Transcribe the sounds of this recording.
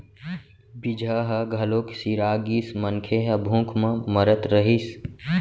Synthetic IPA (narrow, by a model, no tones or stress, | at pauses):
bɪd͡ʒʱaːɦɐɡʱɐloːksiːɾaːɡismənkʰeɦəbʱũːkʰmə̃məɾət̪ɾəɦis